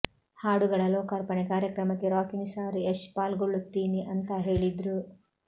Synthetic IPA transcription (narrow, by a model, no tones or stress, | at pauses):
haːɽuɡɐɭɐlɔːkɐɾpɐɳekaːɾjɐkɾɐmɐt̪ːiɾaːkiŋsaːɾeʃpaːlɡoɭːut̪ːiːniʔɐnt̪ɐɦeːɭid̪ɾu